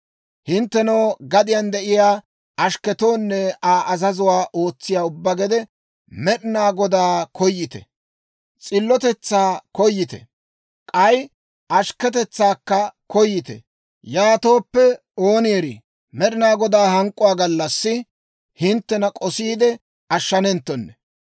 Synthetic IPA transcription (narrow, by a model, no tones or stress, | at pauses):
hɪnt̪ːɛnɐːɡɐd̪ɪjand̪ɛʔɪjaː | ɐʃkɛt̪o̞ːnːɛaːʔɐzɐzʊwaːʔo̞ːt͡sːɪjaːʊbːɐɡɛd̪ɛ | mɛɗɪnaːɡɔd̪aːkʰɔjːɪt̪ɛ̰ | t͡sʼɪlːɔt̪ɛt͡sːaːkɔjːɪt̪ɛ̰ | kʼɐj | ʔɐʃkɛt̪̬ɛt͡sːaːkːɐkɔjːɪt̪ɛ̰ | jaːt̪o̞ːpːɛ | oːnjeɾɪ | mɛɗɪnaːɡɔd̪aːhɐŋkʼːʊwaːɡɐlːɐsːɪ | hɪnt̪ːɛnɐkʼɔsiːd̪ɛ | ɐʃːɐnɛnt̪ːɔnːɛ